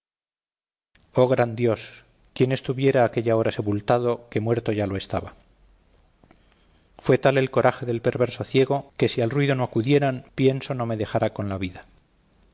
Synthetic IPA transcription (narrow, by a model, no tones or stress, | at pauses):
o̞ɣ̞ɾand̪jo̞s | kje̞ne̞st̪uβje̞ɾaːke̞ʎao̞ɾase̞pult̪að̞o̞ke̞mwe̞ɾt̪o̞ʝaloe̞st̪aβa | fwe̞t̪ale̞lko̞ɾʔaxe̞ðe̞lpe̞ɾβe̞ɾso̞θje̞ɣ̞o̞ke̞sialrwiðo̞no̞akuðje̞ɾanpje̞nso̞no̞me̞ðe̞xaɾako̞nlaβiða